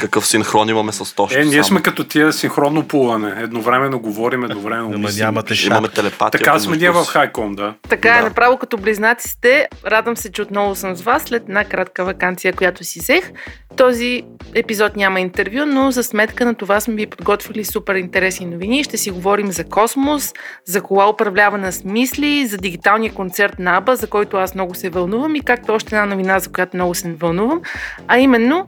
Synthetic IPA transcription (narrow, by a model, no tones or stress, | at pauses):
kɐkɤfsinxɾɔnimɐmɛsɐst̪ɔʃɛnʲiɛsmɛkɐt̪ɔt̪ʲiəsinxɾɔnːopulˠɐnɛɛd̪novɾɛmɛnːoɡovɔɾimɛd̪ovɾɛmɛnoamḭmɐmɛt̪ɛlɛpat̪t̪ɐikasmɛniəvɐfxajkɔnd̪at̪ɐkaɛnɐpɾavvˠokɐt̪ɔbliznat̪si̥t̪ɛɾad̪vəmsɛt͡ʃɛot̪nɔvʊsəmzvasːlɛt̪ɛd̪nakɾat̪kəvɐkant̪sijəkojat̪osizɛx | t̪ɔziɛpizɔt̪nʲaməint̪ɛɾvjunozɐsmɛt̪kənɐt̪ovasmɛvipod̪ɡɔt̪vʲəlisupɛɾint̪ɛɾɛsninoviniʃt̪ɛsiɡovɔɾimzɐkɔsmoszɐkoɡaopɾɐvlʲavɐnɐsmislizɐd̪iɡit̪alˠnijəkont̪sɛɾt̪nɐabəzɐkɔjt̪ʊasmnɔɡʊsɛvɐlˠnuvəmikak̚t̪ɔʃt̪ɛd̪anovinazɐkʊjat̪omnɔɡʊsɛnvɐlˠnuvəmɐimɛnːo